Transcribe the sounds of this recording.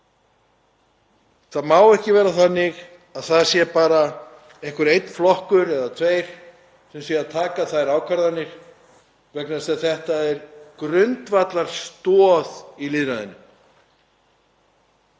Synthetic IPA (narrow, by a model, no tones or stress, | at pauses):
θaðmaːwɛhcɪvɛːɾaθanːɪɣ | aðθaðsjɛpaːɾa | ejhkʏɾejt̪n̥flɔhkʏɾɛðat̪ʰveːjɾ̥ | sɛmsjɛaðt̪ʰaːkaθaðɾaːwkʰaɾðanːɪɾ̥ | vɛknasɛðθɛht̪aɛɾkɾʏnt̪vat̪laɾ̥st̪ɔːðiliðɾaðʏnʏm